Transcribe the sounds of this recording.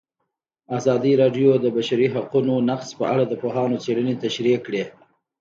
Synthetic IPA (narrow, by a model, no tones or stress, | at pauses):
azɑd̪iɾɑɖjod̪əbaʃaɾiɦaqunonaqspə̰aɽad̪əpoɦɑnot͡seɽənet̪aʃɾikɽe